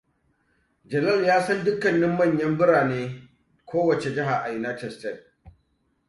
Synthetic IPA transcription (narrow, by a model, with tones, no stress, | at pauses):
d͡ʒɐ˨lɐ˦˨ljaː˦sɐ˦ndʊ˦kːɐ˨nːɪ˦mːɐ˦˨ɲjɐ˦mbɪ˦ɽaː˨neː˦ | kʷʰoː˦wɐ˨t͡ʃe˨d͡ʒɪ˦ɦa˨ʔa˨jɪ˨naː˦tɛ˦˨stɛ˦˨d̚